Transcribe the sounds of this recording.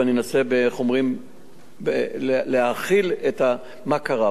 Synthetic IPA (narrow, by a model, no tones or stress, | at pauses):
aninasebeχo̞mʁim | beleaχileta | makaʁa